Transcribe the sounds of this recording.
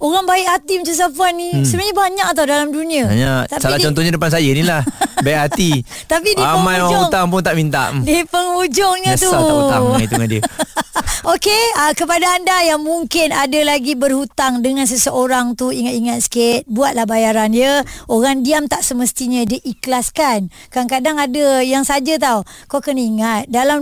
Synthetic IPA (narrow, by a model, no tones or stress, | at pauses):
oɣaŋbaɪʔhat̪imət͡ʃus̬apuannːisəbənaɲəbaɲak̚at̪̬awdalamduniəa̰ɲakt̪apsalilaht͡ʃɔnt̪ɔɲadəpans̬ajənilahbaʔɦat̪i | t̪apidiapəmãjoaŋhut̪aŋpʊnt̪aʔmint̪a̰ʔdipəŋhud͡ʒʊŋɲət̪uaait̪uŋandiə | okeəkəpadaːndajaŋmuŋkɪnadəlaɡibərhut̪aŋdəŋãns̬əsəoɾaŋt̪uiŋat̪iŋat̪̚sket̪̚buat̪̚lahbajaɾanjəoɣaŋdiamt̪aʔsəməst̪iɲədiʔiklaskankankadaŋadəjaŋsad͡ʒat̪̬awkakəniŋat̪̚dalam